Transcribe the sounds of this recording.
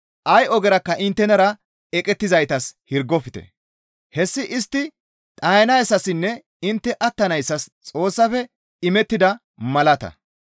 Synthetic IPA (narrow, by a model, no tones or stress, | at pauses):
ʔɐjɔɡɛɾɐkːɐʔɪnt̪ːɛnɐɾɐ | ɛkʼɛt̪ːɪzɐjt̪ɐshɪɾɡɔfɪt̪ɛ̰ | hɛsːɪʔɪst̪ːɪ | t̪ʼɐjɐnɐjsːɐsɪnːɛ | ɪnt̪ːɛʔɐt̪ːɐnɐjsːɐst͡sʼo̞ːsːɐfɛ | ɪmɛt̪ːɪd̪ɐ | mɐlɐt̪ɐ̰